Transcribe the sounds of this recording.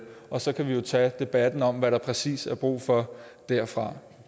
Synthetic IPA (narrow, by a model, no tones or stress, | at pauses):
ʔɒ̽sɒ̽kʰæʋijo̝t͡sʰɛ̰ːd̥e̝b̥æd̥n̩ɒ̽mʋæɾɑ̈pʰʁɛsḭːsæɐb̥ʁṵːfɒ̽d̥æɐ̰fʁɑ̈